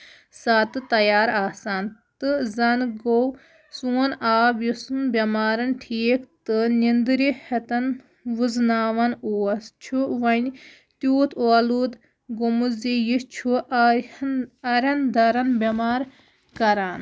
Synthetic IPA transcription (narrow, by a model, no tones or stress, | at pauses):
saːt̪ɨt̪ɐjaːɾaːsaːnt̪ɨzɐnɡow | suːɐnaːbjisunbʲɐmaːɾɐnʈʰiːkt̪ɨnʲind̪ɾihɐt̪ɐn | ʋuznaːʋɐnoːɐst͡ʃʰuʋɐnʲ | t̪juːt̪ʰoɐluːd̪ | ɡomuzijist͡ʃʰu | ɐɾʲɐnd̪ɐɾɐnbʲɐmaːɾ | kɐɾaːn